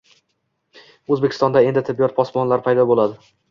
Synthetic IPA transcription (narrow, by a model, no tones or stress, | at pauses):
ɵzbekʰʲɪ̥st̪ɒnd̪ae̞nd̪ɪt̪ʰɪbːijɒt̪̚pʰɒsmɒnlaɾpʰajd̪ɒbolad̪ɪ